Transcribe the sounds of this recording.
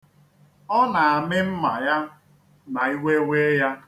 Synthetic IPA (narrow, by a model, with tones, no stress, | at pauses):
ɔ˦na˨a˨mɪ˦m̩˦ma̰˨ja˦ | na˨i˦we˦wʷe˦ja˦